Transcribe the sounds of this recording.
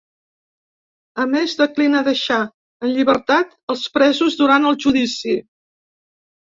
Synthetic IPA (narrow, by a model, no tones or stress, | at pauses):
əmezðəklinəðəʃa | ənʎiβəɾt̪at̪əlˠspɾɛzuzðuɾanəlˠʒuðisi